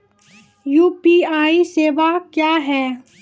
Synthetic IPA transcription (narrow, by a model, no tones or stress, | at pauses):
juːpiːaːiseːʋakjaːɦɛː